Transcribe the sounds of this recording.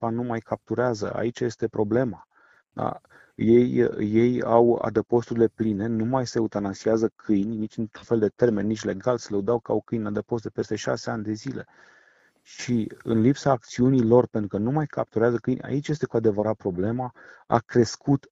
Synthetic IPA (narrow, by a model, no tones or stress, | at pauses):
anumajkʰap̚t̪uɾeazə̰a̰it͡ʃje̞st̪e̞pɾo̞ble̞ma | d̪a̰ | je̞jje̞ja̰wa̰d̪əpo̞st̪uɾile̞pline̞numajse̞ut̪anasiazəkʰɨjnʲnit͡ʃɨnt̪ɾunfe̞ld̪e̞t̪e̞rme̞nːit͡ʃʲle̞ɡalsəleud̪awkəa̰wkɨjnnad̪əpo̞st̪epe̞st̪e̞ʃa̰se̞anʲd̪e̞zile̞̰ | ʃiɨ̰nlipsaːk̚t̪siunilo̞rpent̪ɾukənumajkʰap̚t̪uɾeazəkɨjnʲa̰it͡ʃje̞st̪e̞kuad̪e̞vəɾat̪̚pɾo̞ble̞maa̰kɾe̞skut̪